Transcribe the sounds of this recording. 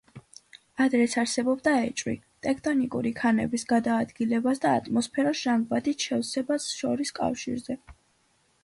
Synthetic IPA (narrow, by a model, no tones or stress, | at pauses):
ad̪ɾɛsʰaɾsɛbɔbd̪aɛt͡ʃʼwḭ | t̪ʼɛkʰt̪ʼɔnikʼṵɾikʰanɛ̰bisɡad̪aːd̪ɡilɛbasd̪a̰ːt̪ʼmɔspʰɛɾasʒ̥amvat̪it̪ʃɛfsɛbasʃɔɾiskʼa̰fʃḭɾzɛ